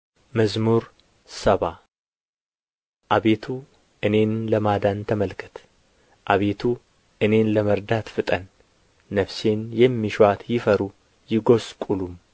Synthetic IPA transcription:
məzmuɾ | səβa | ʔaβe̞t̪ʰu | ʔɨne̞nləmad̪ant̪ʰəməlkʰɨ̥t̪ʰ | ʔaβe̞t̪ʰu | ʔɨne̞nləməɾd̪at̪fɨt̪ʼənː | əfse̞njɛmːiʃat̪jɪfəɾu | jɪɡo̞skʼulum

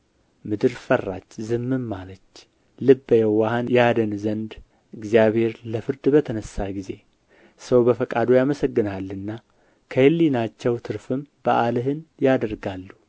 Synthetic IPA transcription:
mɨd̪ɨɾfərːat͡ʃːzɨmːɨmːalət͡ʃː | lɨbːəjɛwahanjad̪ənzənd̪ | ɨɡzijaβhe̞ɾləfɨɾd̪bət̪ʰənəsːaɡize̞ | səwbəfəkʼad̪ojaməsəɡːɨnalːɨnːa | kʰəjɨlːinat͡ʃːɛwt̪ʰɨɾfɨmb̥əʔalɨɦɨnjad̪əɾɡalːu

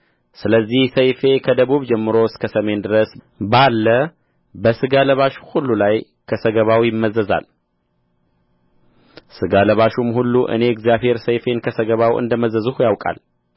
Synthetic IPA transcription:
sɨləzːihsəjfe̞kʰəd̪əβuβd͡ʒɛmːɨɾo̞skʰəsəme̞nd̪ɨɾəs | balːə | bəsɨɡaləβaʃu̥hulːulaj | kʰəsəɡəβawjɪmːəzəza̰l | sɨɡaləβaʃumhulːuʔɨ̰ne̞ɨɡzijaβhe̞ɾsəjfe̞nkʰəsəɡəβawɨ̰nd̪əməzəzuhujawkʼa̰l

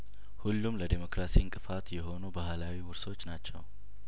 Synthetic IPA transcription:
hulːumləd̪emo̞kɾasiɨŋkʼɨfat̪jɛɦo̞nubaɦlawiwʊɾso̞t͡ʃːnat͡ʃːɛw

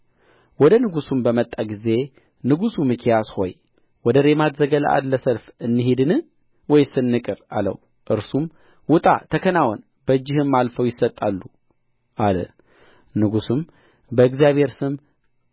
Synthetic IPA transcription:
wɔd̪ənɨɡusumbəmət̪ʼːaɡize̞ | nɨɡusumɨkʰijasho̞j | wɔd̪əɾemat̪zəɡələ̰ʔa̰d̪ləsəlfɨnːɨhed̪ɨnɨ | wɔjsɨnːɨkʼɨɾa̰lə̰w | ʔɨɾsum | wʊt̪ʼa̰t̪ʰəkʰənawɔn | bəd͡ʒːɪhɨmːalfəwjɪsət̪ʼːalːu | ʔalə̰ | nɨɡusum | bəɨɡzijaβhe̞ɾsɨm

